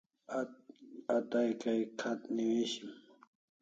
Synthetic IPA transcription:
ɐt̪ajkajkʰɐt̪niweːɕim

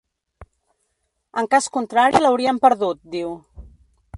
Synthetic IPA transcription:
əŋkaskunt̪ɾaɾiləwɾiəmpəɾðut̪̚d̪iw

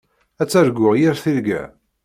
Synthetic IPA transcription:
æt͡sːæɾɡʊʁjiɾθiɾɡæ̰

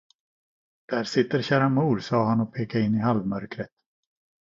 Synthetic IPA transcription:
d̪̥æːɾʂɪt̪ːəɾɕæːɾamuːɾsɑːɦanɔpʰeːkaɪnːɪɦalvmœɾkɾət̪

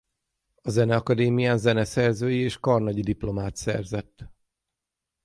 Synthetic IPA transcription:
ɒzɛnɛɒkɒd̪eːmijaːnzɛnɛsɛrzøːjieːʃkɒrnɒɟid̪iplo̞maːt̪sɛ̰rzɛt̪ː

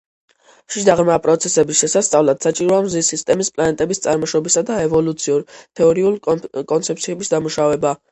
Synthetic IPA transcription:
ʃid̪aʁmapʼɾɔt̪sʰɛsɛbisʃɛsast̪sʼavlat̪sat͡ʃʼiɾɔamzisːist̪ʼɛmispʼlanɛt̪ʼɛbist̪sʼaɾmɔʃɔbisad̪aɛvɔlut̪sʰiuɾt̪ʰɛɔɾiulkʼɔnt̪sʰɛp̚t̪sʰiɛbisd̪amuʃavɛba

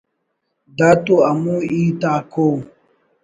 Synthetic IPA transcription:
d̪at̪oamuiːt̪ako

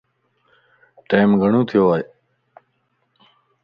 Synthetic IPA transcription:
ʈeːmɡʱəɳũːt̪ʰɪjoːaːeː

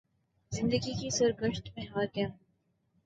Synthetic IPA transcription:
zɪ̃nd̪əɡikisʊɾɡəʃʈ̪mɛɦaːɾkɛ̃ːm

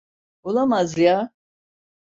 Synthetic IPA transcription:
ɔlamazija

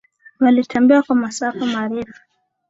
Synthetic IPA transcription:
walitʰambiwakwamasafamaːɾifu̥

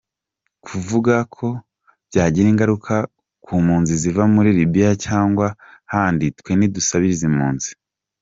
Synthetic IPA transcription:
kʰuvuɡakʰo̞ | b̥ɟaːɟiɾiːŋɡaɾukʰa | kʰuːmuːnzizivamuɾiɾibijacaːŋɡwahaːnditkwe̞nidusaβiɾizimuːnzi̥

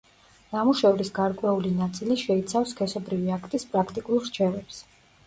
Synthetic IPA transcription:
namuʃɛvɾisɡaɾkʼwɛulinat̪sʼiliʃɛit̪sʰafskʰɛsɔbɾiviakʰt̪ʼispʼɾakʰt̪ʼikʼulˠɾt͡ʃʰɛvɛps

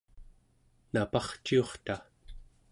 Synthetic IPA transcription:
napɑχt͡ʃio̞χt̪a

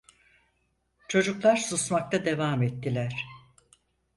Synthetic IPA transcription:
t͡ʃʰo̞d͡ʒuklˠaɾsusmak̚t̪ʰad̪e̞vaːmɛt̪ːilʲæɾ̥

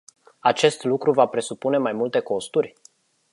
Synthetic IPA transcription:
at͡ʃe̞st̪lukɾuvapɾe̞supune̞majmult̪e̞ko̞st̪urʲ

